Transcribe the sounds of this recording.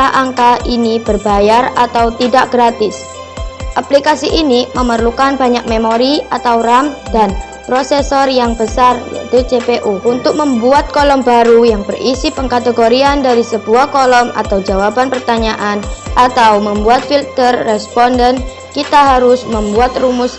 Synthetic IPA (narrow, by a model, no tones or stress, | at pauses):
ahʔaŋkaʔinib̥ərbajarat̪awt̪idaʔɡ̥ɾat̪ɪs | ʔaplikasiʔiniməmərlukanbaɲak̚memoɾiat̪awramdan | pɾosesɔrjaŋbəsarja̰ḭt̪ud͡ʒepeʔuunt̪ʊk̚məmbuat̪̚kɔlɔmbaɾujaŋbərʔisipəŋkat̪eɡoɾiandaɾisəbuahkɔlɔmʔa̰t̪awd͡ʒawabanpərt̪aɲaʔanʔat̪awməmbuat̪̚filt̪ərːɛspɔndən | kit̪aɦaɾʊsməmbuat̪rumʊs